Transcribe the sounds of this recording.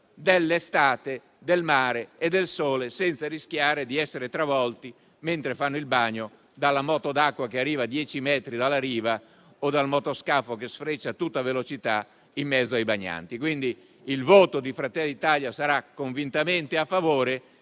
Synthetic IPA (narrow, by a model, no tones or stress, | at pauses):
d̪elːest̪aːt̪e | d̪elmaːɾeːd̪ːelsoːlesɛnt̪sariskjaːɾed̪iɛsːeɾet̪ɾavɔlt̪i | ment̪ɾefanːoilbaɲːo | d̪alːamɔːt̪od̪akːwakearːiːvad̪jɛːt͡ʃimɛt̪ɾid̪alːaɾiːva | od̪almɔt̪oskafokesfɾet͡ʃːat̪ut̪ːavelot͡ʃit̪a | imːɛd̪zoajbaɲːa̰nt̪ikwind̪iː | lvoːt̪od̪ifɾat̪ɛlːad̪it̪aljasaɾakːoɱvint̪ament̪eafːavoːɾe